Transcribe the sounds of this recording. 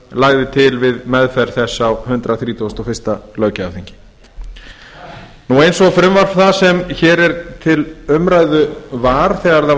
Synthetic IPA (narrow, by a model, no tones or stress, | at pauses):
laːɣðɪt̪ʰɪlvɪðmɛðfɛɾ̥θɛsːawhʏnt̪ɾaθɾiːt̪ust̪ɔfɪst̪alœːɥcaafθiɲcɪ̥ | nuejnsɔɣfɾʏmvar̥fθasɛmçɛːɾɛɾt̪ʰɪlʏmɾajðʏvaːɾ̥θɛːɣaɾða